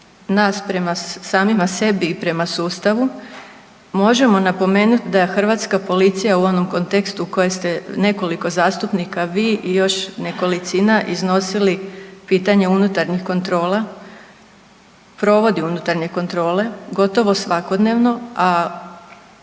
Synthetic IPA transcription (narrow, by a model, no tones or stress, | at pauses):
naːspɾe̞masaːmimase̞biːpɾe̞masuːst̪aʋu | mo̞ʒe̞mo̞napo̞me̞ːnut̪d̪axr̩ʋaːt̪skapo̞lit̪sijauo̞no̞mko̞nt̪e̞kst̪uuko̞jest̪e̞ne̞ko̞liko̞zaːst̪upnikaʋiːʔijo̞ʃneko̞lit̪sinaʔizno̞silipiːt̪aɲe̞unut̪aɾɲixko̞nt̪ɾo̞ːla | pɾo̞ʋo̞d̪iunut̪aɾɲe̞ko̞nt̪ɾo̞ːle̞ɡo̞t̪o̞ʋo̞sʋako̞d̪ne̞ʋno̞a